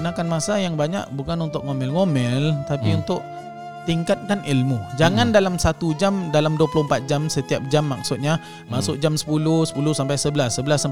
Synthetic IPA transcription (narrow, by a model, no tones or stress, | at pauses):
ənakanmasajaŋbaɲa̰ʔ̚bukanunt̪ʊʔ̚ŋomɛlŋomɛlt̪apiunt̪ʊʔ | t̪iŋkat̪̚kanilmud͡ʒaŋandalamsat̪ud͡ʒamdalamduəplʊəmpat̪̚d͡ʒamsət̪iap̚d͡ʒamːak̚sʊt̪̚ɲa | masʊk̚d͡ʒamsə̥pulʊhsə̥pulʊhsampajsəbəlasːəbəlasa